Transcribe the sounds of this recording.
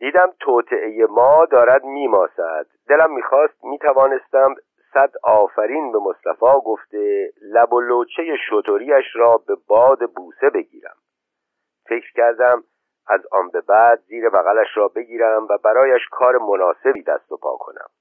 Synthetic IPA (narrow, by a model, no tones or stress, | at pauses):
d̪iːd̪æmt̪ʰoːt̪ʰe̞ʔejemɒːd̪ɒːɾæd̪miːmɒːsæ̰d̪̥ːe̞læmːiːxɒːst̪̚miːt̪ʰævɒːne̞st̪æm | sæd̪ɒːfæɾiːnbe̞most̪æ̰fɒːɡo̞ft̪e̞læbo̞loːt͡ʃʰeje̞ʃot̪ʰo̞ɾiːæʃɾɒːbe̞bɒːd̪e̞buːse̞be̞ɟiːɾæ̰m | fe̞cɾ̥cæɾd̪æm | ʔæzɒ̰ːnbe̞bæːd̪ziːɾe̞bæɣælæʃɾɒːbe̞ɟiːɾæmvæbæɾɒːjæʃkʰɒːɾe̞monɒːse̞biːd̪æ̰st̪o̞pʰɒ̰ːkʰo̞̰næ̰m